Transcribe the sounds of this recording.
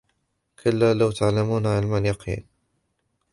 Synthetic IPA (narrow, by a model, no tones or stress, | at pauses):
kʰʊlːaːlawt̪aʕlamuːnʕɪlmanjɑqʰḭːn